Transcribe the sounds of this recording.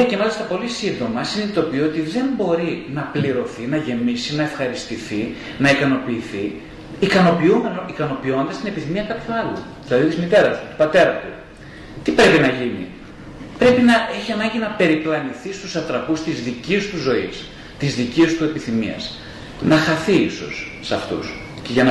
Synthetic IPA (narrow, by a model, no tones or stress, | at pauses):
ecemɐlist̪ɐpo̞lisind̪o̞mɐsinit̪o̞piot̪iðe̞mbo̞ɾinɐpliɾo̞θinɐʝe̞misinɐe̞fxɐɾist̪iθi | nɐikɐno̞piːθi | ikɐno̞piumenoikɐno̞pio̞nd̪ɐst̪ine̞piθimiɐkɐpçuɐlṵ | ðilɐðit̪izmit̪e̞ɾɐst̪u̥t̪u̥pɐt̪e̞ɾɐt̪u | t̪ipɾe̞pinɐʝinḭ | pɾe̞pinɐe̞çiɐnɐɲɟinɐpe̞ɾiplɐniθist̪usɐt̪ɾɐpust̪izðiciust̪uzo̞is | t̪izðiciust̪ue̞piθimḭɐ̰s | nɐxɐθiiso̞̰sːɐft̪ṵs | ce̞ʝɐnɐ